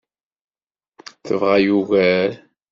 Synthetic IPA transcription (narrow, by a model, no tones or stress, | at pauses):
θəvʁæjuɣæl